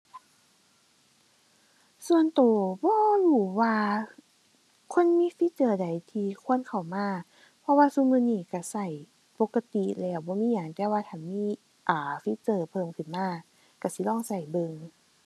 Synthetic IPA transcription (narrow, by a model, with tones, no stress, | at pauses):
su˧˨ənt̪oː˨˩bɔː˧˦luː˧˩waː˧ | kʰo˧˥˨nmiː˧˥˨fi˧˥t͡ɕɤː˧˩da˨˩jt̪ʰiː˧kʰu˧˥ə˨nkʰa˨˩wmaː˧˥˨ | pʰɔ˧waː˧su˧˥˨mɯː˧˥˨niː˧˩ka˧˩sa˧˩j | po˧˦kːa˧t̪i˧˦lɛː˧˩wbɔː˧˦miː˧˥˨ja˨˩ŋt̪ɛː˧waː˧t̪ʰa˧˩nmiː˧˥˨ | ʔaː˨˩fi˧˥t͡ɕɤː˧˩pʰɤː˧˩˨mkʰɯ˧˩nmaː˧˩˨ | ka˧˩si˧˦lɔː˧˥˨ŋsa˧˩jbɤ˧ŋ